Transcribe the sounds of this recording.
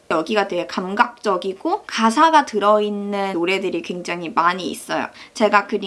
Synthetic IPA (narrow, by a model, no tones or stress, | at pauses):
jʌɡiɡadwe̞ɦekamɡak̚t͡ɕ͈ʌɡiɡokas̬ʰaɡatɯɾʌinːɯnoɾe̞dɯɾikwe̞ŋd͡ʑaŋɦimaɲḭːs͈ʌjo̰t͡ɕe̞ɡakɯn